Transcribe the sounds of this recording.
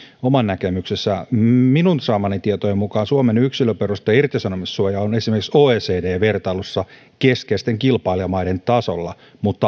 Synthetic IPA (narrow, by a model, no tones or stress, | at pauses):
omɑnnækemyksesːæminunsɑːmɑnit̪iet̪ojemmukɑːnsuomenyksiløperust̪ɑɑirt̪isɑnomissuojɑonesimerkiksoːeːseːdeːʋert̪ɑlusːɑ | keskejst̪eŋkilpɑiliɑmɑident̪ɑso̰lːɑ | mut̪ːɑ